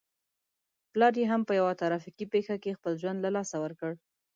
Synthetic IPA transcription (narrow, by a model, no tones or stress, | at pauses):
plɑɾjeɦampəjawat̪aɾɑfiqipexakexpəlʒwand̪lalɑsawəɾkəɽ